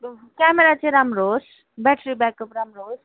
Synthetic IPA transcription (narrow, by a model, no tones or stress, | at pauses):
kɛmeɾat͡ʃiɾamɾoːs | bɛʈʰɾibɛkəpɾamɾoːz